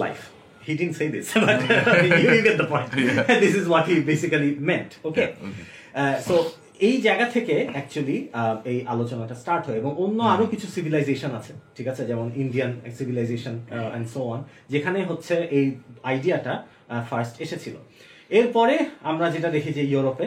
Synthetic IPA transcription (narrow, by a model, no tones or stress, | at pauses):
la̰jf | hiɖidn̩ɳʈsejd̪isbaamiiŋɡet̪̚d̪əpɔ̃j̃nʈd̪isizwɔʈhibesikalimenʈoke | so | ejd͡ʑaeɡat̪ʰekeɛk̚t͡ɕualiejʔalot͡ɕonaɛkʈasʈaɾʈɦoeeboŋonːoaɾokit͡ɕʰusibʱilajzeʃonat͡ɕʰe̥ʈʰikat͡ɕʰed͡ʑɛmoninɖiansibʱilajzeʃonɛ̰̃ɳɖsoɔn | d͡ʑekʰaneɦotːɕʰeʔejajɖiaʈa | faɾsʈeʃet͡ɕʰilo̰ | eɾpɔɾeamɾad͡ʑeʈad̪ekʰid͡ʑejuɾope